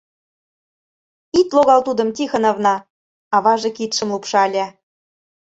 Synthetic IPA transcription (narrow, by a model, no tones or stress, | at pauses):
it̪loɣɑlt̪ud̪ɤ̆mt̪ixɤ̆nɑvnɑ | ɑβɑʒɤ̆kit̪ʃə̆mlupʃɑlʲæ